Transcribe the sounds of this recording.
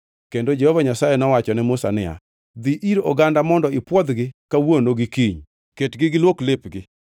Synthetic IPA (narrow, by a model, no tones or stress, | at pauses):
kendod͡ʒehovaɲasajenɔwat͡ʃɔnɛmʊsa̰nɪa̰ | d̪iʔiɾo̰ɡandamɔndɔɪpwɔd̪ɡɪkawonoɡɪkiɲ | ketɡɪɡɪlwoklepɡɪ